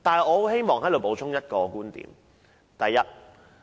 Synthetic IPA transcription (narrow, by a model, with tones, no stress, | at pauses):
t̪aː˨nɦɐ˨˩ɔː˨˧o˥wɦe˥jmɔː˨˩ŋɦɐ˨˥jlo˨˧wpo˨˧˥wt͡ʃʰʊ˥ŋjɐ˥t̚kɔː˧kuː˥nt̪ḭː˨˩m | t̪ɐ˨jːɐ˦˥t̚